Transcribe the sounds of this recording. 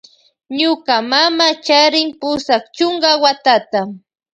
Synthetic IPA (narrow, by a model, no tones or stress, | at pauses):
ɲʊkamamat͡ʃaɾɪŋpʊsakt͡ʃʊŋɢawat̪at̪a